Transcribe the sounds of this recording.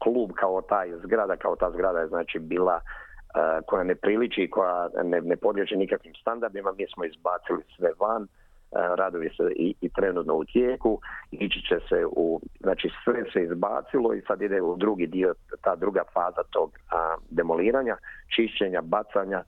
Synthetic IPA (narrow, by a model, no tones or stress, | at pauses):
kluːbkʰaot̪aːjzɡɾad̪akaot̪aːzɡɾad̪ajeznaːt͡ʃibiːlˠaəko̞janepɾilit͡ʃikʰo̞janenepo̞d̪ʎʲet͡ʃinikakʋimst̪and̪aɾd̪imamiːsmoizbaːt̪silisʋeʋan | ɾad̪oʋiseiit̪ɾe̞nuːt̪no̞ut̪jeːkuit͡ɕi̥t͡ɕeseuznaːt͡ʃisʋeseizba̰ːt̪silˠoḭsad̪id̪eud̪ɾuɡid̪io̞t̪aːd̪ɾuɡafaːzat̪o̞ɡd̪e̞moliːɾaːɲat͡ʃiʃt͡ʃeɲabat̪saɲa